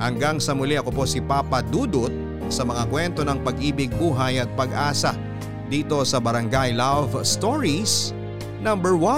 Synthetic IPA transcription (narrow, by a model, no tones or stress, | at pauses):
hɐŋɡaŋsɐmʊlɛʔɐko̞po̞sɪpaːpɐd̪uːd̪ʊt̪̚ | sɐmɐŋakwɛnt̪o̞nɐŋpɐɡʔiːbɪɡ̚buːɦɐjɐt̪̚pɐɡʔaːsɐ | d̪iːt̪o̞sɐbɐɾɐŋɡajlavst̪oɹis | nɐmbɛɹwɐ